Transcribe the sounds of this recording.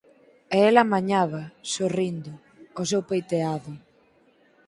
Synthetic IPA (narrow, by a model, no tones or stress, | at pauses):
eelamaɲaβɐsorind̪ʊː | s̬ewpejt̪eaðʊ